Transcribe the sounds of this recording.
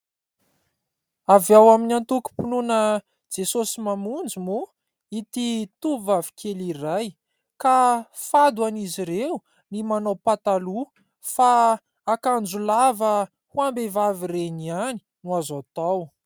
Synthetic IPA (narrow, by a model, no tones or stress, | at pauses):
avjawaminant̪uku̥pinunə | d͡zesosimamund͡zumu | it̪it̪uvavi̥kʰeliraj | kafad̪waniziɾeu | nimanawpat̪alu | faː | kand͡zulavə | huambevavireniani̥ | nuazat̪aw